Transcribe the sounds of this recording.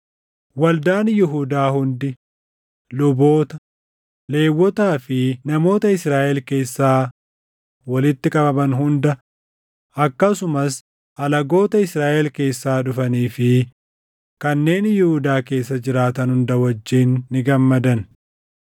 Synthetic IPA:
wɐld̪aːnjɪɦud̪aːhʊnd̪ɪ | lʊbo̞ːt̪ɐ | le̞ːwːɔt̪aːfɪnɐmo̞ːt̪ɐɪsɾaːʔɛlke̞ːsːaː | wɐlɪt̪ːɪkʼɐbɐbɐnɦʊnd̪ɐ | ʔɐkːɐsʊmɐs | ʔɐlɐɡo̞ːt̪ɐɪsɾaːʔɛlke̞ːsːaːᶑʊfɐniːfɪ | kɐnːe̞ːnjɪhud̪aːke̞ːsːɐd͡ʒɪɾaːt̪ɐnhʊnd̪ɐwɐd͡ʒːiːnːɪɡɐmːɐd̪ɐn

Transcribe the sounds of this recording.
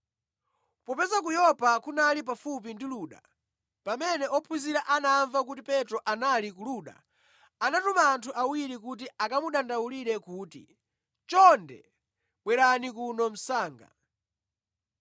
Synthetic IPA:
pɔpɛzak̬ujɔpakunalip̬afupindiluːɗa̰ | pamɛnɛʔɔpʰwiziɾaʔanaːɱvak̬utipɛtɾɔʔanalik̬uluːɗa̰ | anatumaːntʰuʔawiɾikut̬iakamuɗandawuliɾɛkuːtḭ | t͡ʃɔndɛ̰ | ɓwɛɾanikunɔm̩saːŋɡa̰

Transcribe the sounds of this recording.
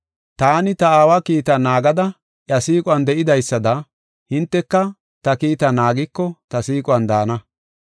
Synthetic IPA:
t̪aːnɪt̪ɐaːwakiːt̪ɐnaːɡɐd̪ɐ | ʔjɐsiːkʼʊwɐnd̪ɛʔɪd̪ɐjsːɐd̪ɐ | hɪnt̪ːɛkːɐ | t̪ɐkiːt̪ɐnaːɡɪkːɔt̪ɐsiːkʼwɐnd̪aːnɐ

